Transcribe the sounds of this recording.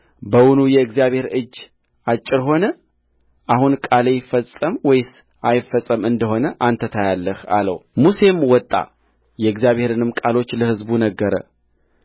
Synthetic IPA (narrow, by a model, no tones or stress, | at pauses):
bəwʊnujɛɨɡzijaβhe̞ɾɨd͡ʒː | at͡ʃʼːɪɾɦo̞nə | ʔahunkʼalejɪfːəsʼːəmwɔjɪs | ajɪfːəsʼəmɨnd̪əɦo̞nəʔant̪ʰət̪ʰajalːəha̰lə̰wmuse̞mwɔt̪ʼːa̰ | jɛɨɡzijaβhe̞ɾɨnɨmkʼalo̞t͡ʃːləhɨzbunəɡːəɾə̰